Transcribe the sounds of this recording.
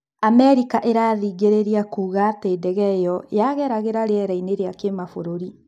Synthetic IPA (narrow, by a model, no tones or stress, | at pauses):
amɛɾikaʔeɾaðiɣeɾeɾiakuːɣateːdɛɣɛjɔjaɣɛɾaɣeɾaɾeɛɾaineɾeakemafoɾoɾi